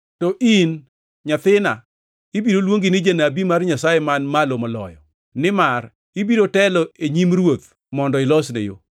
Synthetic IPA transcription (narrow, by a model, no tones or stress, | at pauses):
tɔʔin | ɲat̪ɪna̰ | ɪbiɾolwoŋɡɪnɪd͡ʒenabimarɲasajemanmalomɔlɔ̰jɔ̰ | nɪmar | ɪbiɾotɛlɔeɲimrwot̪̚ | mɔndɔɪlɔsnḛjo̰